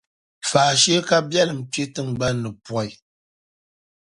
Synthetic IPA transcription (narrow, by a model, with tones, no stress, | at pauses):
faː˨ʃɛ˦ka˦bjɛ˦lɨ˨m̩˨tɥe˦tɨ˦ŋ˨ɡ͡ba˦nːɨ˨pwɔ˦˨i˨